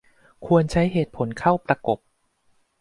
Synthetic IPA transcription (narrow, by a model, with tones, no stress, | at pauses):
kʰu˧ənt͡ɕʰa˦˥jɦeː˨˩t̪̚pʰo˩˦nkʰa˥˩wpɾa˧ko˨˩p̚